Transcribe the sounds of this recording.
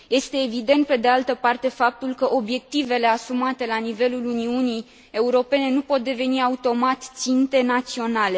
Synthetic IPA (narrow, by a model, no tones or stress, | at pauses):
je̞st̪e̞ːvid̪e̞nt̪̚pe̞d̪ealt̪əpart̪e̞fap̚t̪ulkəʔo̞bje̞k̚t̪ive̞le̞asumat̪e̞lanive̞luluniunij | e̞uɾo̞pe̞ne̞nupo̞t̪̚d̪e̞ve̞niaut̪o̞mat̪t̪sint̪e̞nat̪sio̞nale̞